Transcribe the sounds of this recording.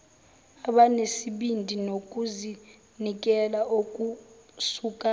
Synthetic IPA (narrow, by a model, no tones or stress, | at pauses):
aɓanesiɓindʱinokʼuzi | nik̬ʼɛlaok̬ʼusukʼa